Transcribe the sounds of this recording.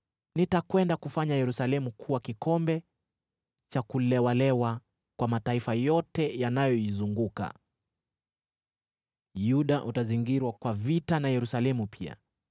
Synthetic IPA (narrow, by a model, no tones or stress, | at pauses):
nitakwɛndakufaɲajɛɾusalɛmukʰuwakikɔmbɛ | t͡ʃakulɛwalɛwa | kwamataifajɔtɛjanajɔizuŋɡuka̰ | juɗaʔutaziŋɡiɾwakwavitanajɛɾusalɛmupʰia̰